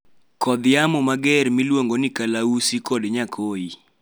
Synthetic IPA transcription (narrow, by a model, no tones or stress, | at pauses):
kɔd̪ɪjamɔmaɡɛɾmilwoŋɡonikalausikɔdɲakʰoi